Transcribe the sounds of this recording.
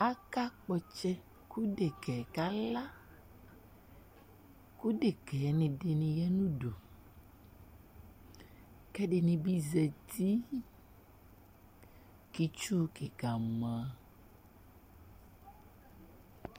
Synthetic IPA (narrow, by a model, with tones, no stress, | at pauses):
a˦ka˦k͡pɔ˨t͡ʃɛ˦ | ku˦ɖe˨kɛ˨ka˦la˦ | ku˦ɖe˨kɛ˨nĩ˨ɖe˨nĩ˨jɛ˦nũ˦ɖo˨ | kɛ˦ɖe˨nĩ˨bi˦zɛ˨t̪i˦ | ki˨t͡ʃu˦ke˨ɡa˨mã˨˦